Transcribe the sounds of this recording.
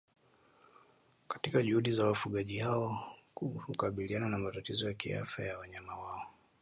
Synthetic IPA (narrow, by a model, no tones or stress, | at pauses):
kḁtikaʄuhuɗizawafuɠaʄihaɔ | hukaɓiliananamatatizɔjakḭa̰fajawaɲamawaɔ